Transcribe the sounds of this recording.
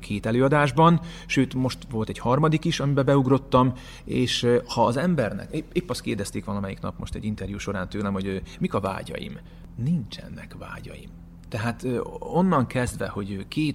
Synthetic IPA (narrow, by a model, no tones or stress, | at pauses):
kʰeːt̪ɛløːɒd̪aːʒbɒn | ʃøːt̪mo̞ʃt̪ʋo̞lt̪ɛɟhɒrmɒd̪ikiʃɒmibɛbɛuɡro̞t̪ːɒm | eːʃhɒːzɛmbɛrnɛ̰kepeːpːɒst̪keːrd̪ɛst̪eːkʋɒlɒmɛjiknɒ̰pmo̞ʃt̪ɛ̰ɟint̪ɛrjuːʃo̞ɾaːnt̪øːlɛmho̞ɟømikɒva̰ːɟɒ̰jḭm | nint͡ʃɛ̰nːɛ̰kva̰ːɟɒ̰jḭm | t̪ɛɦaːt̪øo̞nːɒŋkʰɛzd̪ʋɛ̰ho̞ɟkeːt̪